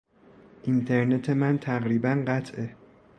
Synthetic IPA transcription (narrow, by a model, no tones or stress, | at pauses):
ʔint̪ʰeɾne̞t̪ʰe̞mænt̪ʰæɣɾiːbænɢæt̪ʰʔe